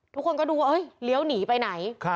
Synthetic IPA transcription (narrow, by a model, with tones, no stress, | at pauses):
t̪ʰu˦˥kʰːo˧nkɔː˥˩duː˧wa˧ʔɤ˦˥˩jli˦əwniː˩˦pa˧jna˩˦jkʰ